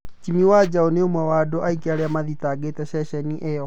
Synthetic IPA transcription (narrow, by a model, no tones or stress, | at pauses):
t͡ʃimiwad͡ʑaoneomwɛwadoʔaikeaɾeamaðitaːɡetɛɕɛɕɛniʔɛjɔ